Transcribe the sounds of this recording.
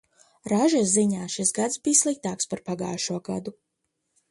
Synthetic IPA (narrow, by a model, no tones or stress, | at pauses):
ɾaʒasziɲaːʃisɡad̪sbijslˠik̚t̪aːkspaɾpaɡa̰ːʃuɔɡad̪u